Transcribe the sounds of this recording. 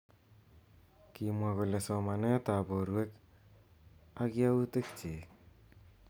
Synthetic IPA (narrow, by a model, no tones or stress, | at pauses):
kimuaɡolesɔmanet̪aboɾuek | aɡiautek̚t͡ʃe